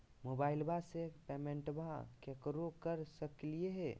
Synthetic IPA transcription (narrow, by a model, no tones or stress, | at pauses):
mobailbʱasepemeɳʈbʱakekɾokəɾsəklieɦe